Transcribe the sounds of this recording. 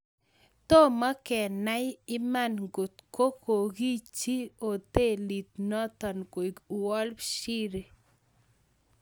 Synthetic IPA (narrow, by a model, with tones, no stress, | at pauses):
t̪o˦ma˦kɛ˨na˦jɪ˦ma˦˨nɡo˨t̪ko˦ko˨ki˦t͡ʃi˦o˨t̪e˦˨li˨t̪̚nɔ˦t̪ɔ˨nko˨i˨ku˨wɔ˦lpʃi˦ɾe˨